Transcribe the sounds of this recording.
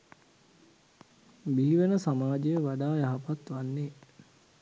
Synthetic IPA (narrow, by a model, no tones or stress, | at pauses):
biɦiʋənəsamaːd͡ʒejəʋaɖaːjaɦapat̪ʋanːe